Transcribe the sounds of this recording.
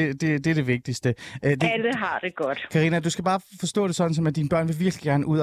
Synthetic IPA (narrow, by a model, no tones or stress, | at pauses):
ed̥e̝d̥e̝ɐɾ̥e̝ʋe̝ɡ̥̚d̥isd̥əʔød̥eæləɦɑ̈d̥e̝ɡ̥ɒd̥kʰɑ̈ʁiːnæd̥usɡ̥æb̥ɑ̈ːfɒ̽sd̥ɔ̰̽ːɾ̥e̝sɒ̽d̥n̩sɒ̽mæd̥iːnəb̥ɶɐ̰nʋe̝ʋiɐɡ̥liɡ̥æɐnəʔuð̰ˠ